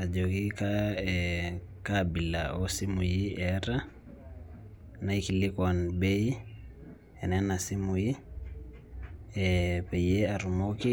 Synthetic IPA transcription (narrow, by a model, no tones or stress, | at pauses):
ad͡ʒokikaɛ | kabila̰ɔsimujiɛɾa | naikilikanbɛi | ɛnɛnasimuji | ɛpɛjɛaɾumoki